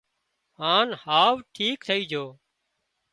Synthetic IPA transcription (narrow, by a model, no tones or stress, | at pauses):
ɦaːnhaːʋʈʰiːkt̪ʰəiːd͡ʒʱoː